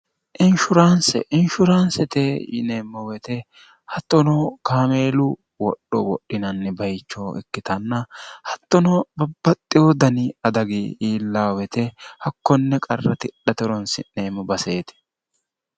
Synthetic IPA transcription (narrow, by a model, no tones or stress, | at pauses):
ʔɪnʃʊɾaːnsɛ̰ʔɪnʃʊɾaːnsɛt̪ɛjɪ̰neːmːɔwɛt̪ɛ | hɐt̪ːɔnɔkaːme̞ːlʊ | wɔ̰ɗːɔwɔ̰ɗːɪnɐnːɛbɐjt͡ʃːɔɛ̰kːɪt̪ɐnːɐhɐt̪ːɔnɔbɐbːɐt̪ʼːɪwɔd̪ɐnɪɐd̪ɐɡiiːlːaːwɛt̪ɛhɐkːɔnːɛkʼɐrːɐt̪ɪɗɐt̪ɛɾɔnsɪ̰ne̞ːmːɔbɐse̞ːt̪ɪ̥